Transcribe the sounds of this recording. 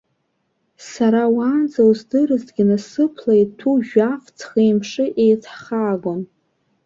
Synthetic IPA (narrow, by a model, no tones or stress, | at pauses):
saɾawand͡zawzdɨrɨzdɡʲɪnasɨpʰlajtʰuʒᶣaft͡sʰχejmʂɨʔejtʰχaːɡʷom